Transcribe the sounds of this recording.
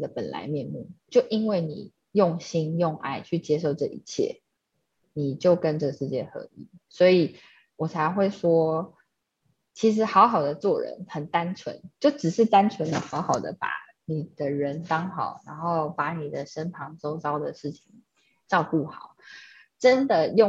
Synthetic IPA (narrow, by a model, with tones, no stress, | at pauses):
d̪ə˨˩pə̰˨˩nla̰˧˥ɪmjɛ˥˧nmɛ̰˥˩t͡ɕjo˥˩ʊʔi˥nwe˥˩ɪnḭ˨˩ | jʊ˥˨ŋɕi˥njʊ˥˧ŋʔa̰˥˩ɪt͡ɕʰy˥˩t͡ɕjɛ˥ʂ̬o˥˧ʊʈ͡ʂɤ˥˩ʔi˧˥t͡ɕʰjɛ̰˥˩ | ni˨˩t͡ɕjo˥˩ʊkə˧˦nʈ͡ʂɤ˥˩ɡə˩ʂɻ̩˥˧t͡ɕjɛ˥˩xɤ̰˧˦i˨˩˦swɔ˧˥i˨˩ | wɔ˨˩t͡sʰa˧ɪxwe˥˩ɪʂwɔ˥ | t͡ɕʰi˧˥ʂ̬ɻ̩˧˥xɑ˧˥ʊxɑ˨˩ʊd̪ə˦t͡swɔ˥˩ɻə̰˧˦nxə˨˩nt̪a˦nʈ͡ʂʰwə̰˧˦nt͡ɕjo˥˩ʊʈ͡ʂɻ̩˨˩ʂɻ̩˥˩t̪a˥nt͡sʰwə˧˦˥nd̪ə˨xɑ˧˥ʊxɑ˨˩ʊd̪ə̰˦pa̰˨˩˦ | ni˨˩d̪̥ə˦ɻə˧˦nt̪ɑ˥ŋxɑ˨˩˦ʊɻa˧˥nxo˥˩ʊpa˨˥ni˨˩d̪ə˦ʂə˥npʰɑ˧˥ŋt͡so˥ʊt͡sɑ˥ʊd̪ə˨ʂɻ̩˥˩t͡ɕʰi˨˩ŋ | ʈ͡ʂɑ˥˧ʊku˥˩xɑ˨˩˦ʊ | ʈ͡ʂə˦˥nd̪ə˨jʊ˥˨